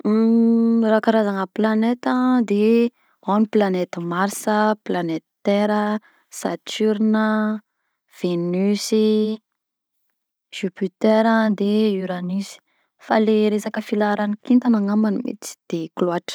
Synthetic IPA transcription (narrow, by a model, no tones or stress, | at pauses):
rakaɾazaŋəplanet̪əd̪e | aniplanet̪əmaɾsəplanet̪t̪ɛɾə | sat͡ʃyɾnə | v̥enysi | ʒ̥ypyt̪eɾəd̪eiɾanisi̥ | faleɾesakəfilaɾanikint̪anaŋamanimḛt͡si̥d̪̥eklwaʈ͡ʂ